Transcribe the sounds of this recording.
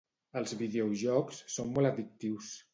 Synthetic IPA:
əlˠzβiðeoʒɔksːommːoləðik̚t̪iws

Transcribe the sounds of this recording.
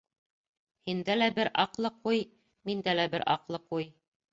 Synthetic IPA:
hind̪ælæbɘɾʔɑqlˠɤquj | mind̪ælæbɘɾʔɑ̰qlˠɤquj

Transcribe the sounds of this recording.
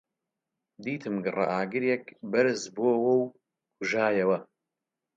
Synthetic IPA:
d̪iːt̪ʰɨmɡɨrɐ̰ʔaːɡɨɾjɛkbɐɾɨzboːwɐw | kʰʊʒaːjɐwɐ

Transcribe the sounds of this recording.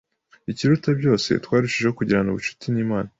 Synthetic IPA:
iciɾutabɟo̞ːse̞̰twaːɾuʃiʒehokuɟiɾanuβut͡ʃu̥tiniːmaːna

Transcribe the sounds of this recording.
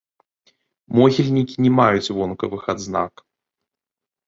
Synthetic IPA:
mɔɣʲilʲnʲikʲinʲɛmajut͡sʲvɔnkɐvɨxad̪zna̰k

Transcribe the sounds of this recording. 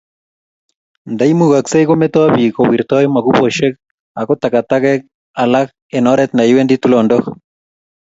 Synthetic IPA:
nd̪ajmuɣaksejɣomet̪oaβikowiɾt̪ɔjmaɣupoʃek | akot̪akat̪aɣek̚ | alak | enɔɾet̪najwend̪it̪ulondok

